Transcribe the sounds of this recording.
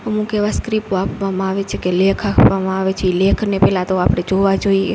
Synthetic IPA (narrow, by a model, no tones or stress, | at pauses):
əmũkeʋaskɾipoapʋamãaʋet͡ʃʰekelekʰakʰʋamãaʋet͡ʃʰeilekʰnepɛɦlãt̪oapɽ̃ed͡ʒoʋad͡ʒoiḛ